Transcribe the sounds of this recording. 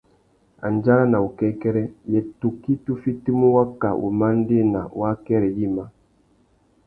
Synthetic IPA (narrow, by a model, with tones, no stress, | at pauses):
a̰˨n˨d͡ʒa˦ɾa˦na˨u˨kɛ˦kɛ˦ɾɛ˦jɛ˨tu˨ki˦tu˦fi˦ti˦mu˦wa˦ka̰˨ʔṵ˨ma˦n˦de˦na̰˨wa˦kɛ˦ɾɛ˨ji˦ma˦